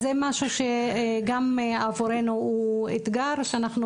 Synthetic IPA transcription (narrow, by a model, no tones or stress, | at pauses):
zemaʃuʃeɡamavoɾenuuet̪ɡaɾʃeanaχnu